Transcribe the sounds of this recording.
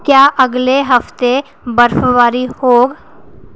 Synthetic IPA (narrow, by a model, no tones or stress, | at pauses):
kjaːʔɐɡleɦɐft̪e | bəɾfʋaːɾihoːɡ